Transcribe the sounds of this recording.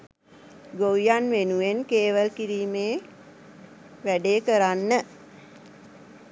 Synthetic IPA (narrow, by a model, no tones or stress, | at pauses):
ɡowijanʋenuʋenkeːʋəlkiɾiːmeː | ʋæɖeːkəɾanːə